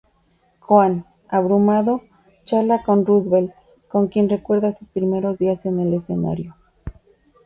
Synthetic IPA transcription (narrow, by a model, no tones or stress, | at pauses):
xwan | aβɾumaðo̞ | t͡ʃaɾlako̞nruzβe̞l | ko̞ŋkje̞nre̞kwe̞ɾðasuspɾime̞ɾo̞zðiase̞nele̞se̞̰na̰ɾjo̞